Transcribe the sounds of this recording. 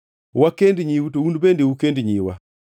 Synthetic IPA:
wakendɲiwutoundbendeukendɲiwa̰

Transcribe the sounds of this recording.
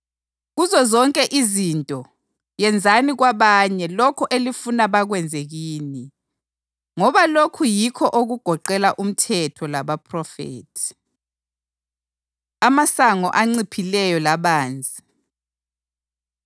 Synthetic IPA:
ɣuzɔzɔŋkʼɛʔizintʼɔ | jɛnd͡zʱaniɣwaβaɲɛlɔkʰɔʔelifunaβaɣwɛnd͡zʱeɣiːni | ŋɔβalokʰujikʰɔʔoɣuɡ̥ʱɔǃɛlaʔum̩tʰɛtʰɔlaβapʰrɔfḛːtʰi̥ | amasaŋɔ̰ʔaŋ͡ǀipʰilɛjɔlaβaːnd͡zʱi

